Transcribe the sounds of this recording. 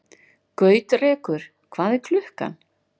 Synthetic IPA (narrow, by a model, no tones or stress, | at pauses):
kœːɥt̪rɛːkʏɾ̥ | kʰv̥aːðɛkʰlʏhka̰